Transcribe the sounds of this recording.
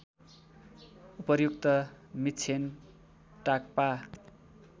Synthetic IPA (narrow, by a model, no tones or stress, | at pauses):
upʌrjuk̚t̪ʌmit͡sʰen | ʈak̚pa